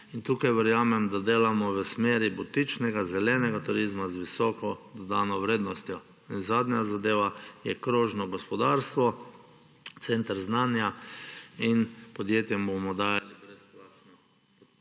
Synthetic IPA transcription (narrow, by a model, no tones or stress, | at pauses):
int̪uːkajʋəɾjaːmɛmd̪ad̪eːlamɔʋəsmeːɾibut̪it͡ʃnɛɡazɛlɛnɛɡat̪uɾizmazʋisɔkɔd̪ɔd̪aːnɔʋɾeːd̪nɔst̪jɔ | inzaːd̪nɲazad̪eːʋajɛkɾoːʒnɔɡɔspɔd̪aɾst̪ʋɔ | t̪sent̪ɾznanja | inpɔd̪jeːt̪jɛmbomɔd̪aːjalibɾɛsplat͡ʃnɔ